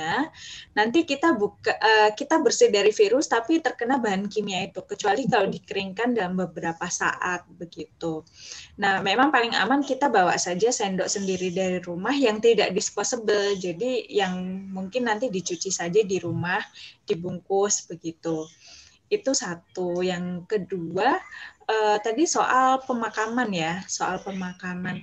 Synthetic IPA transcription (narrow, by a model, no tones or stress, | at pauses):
anant̪ikit̪abukaʔəkit̪abərsɪhdaɾifiɾʊst̪apit̪ərkənabaɦankimiait̪ukət͡ʃualikaladikəɾɪŋkandalambəbəɾapasa̰ʔat̪̚bəɡit̪unahmemaŋpalɪŋa̰mankit̪abawa̰ʔsad͡ʒasɛndɔʔsəndiɾidaɾiɾumahjaŋt̪ida̰ʔdisposəbəld͡ʒadijaŋmuŋkɪnːant̪idit͡ʃut͡ʃisad͡ʒadiɾumahd̥ibuŋkʊsbəɡit̪u | it̪usat̪ujaŋkəduaəːt̪adisoʔalpəmakamanjasoʔalpəmakaman